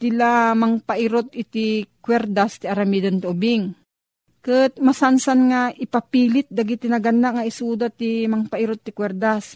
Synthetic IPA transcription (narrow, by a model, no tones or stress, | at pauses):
t̪ɪlamɐŋpaʔɪɾot̪̚ɪt̪ikwɛɾd̪ast̪ɪʔaɾɐmid̪ɐnt̪ɪʔʊbɪŋ | kɨt̪̚masansanŋaʔɪpɐpiːlɪt̪̚d̪aɡit̪ɪnaɡanːaŋaʔɪsuːd̪at̪ːimɐŋpaʔiɾot̪ːɪkwɛɾd̪as